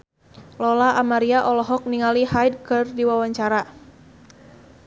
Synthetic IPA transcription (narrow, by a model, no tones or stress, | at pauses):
lɔlaʔamaɾiaʔɔlɔɦɔk̚niŋaliɦajd̚kɨrdiwawaɲt͡ʃaɾa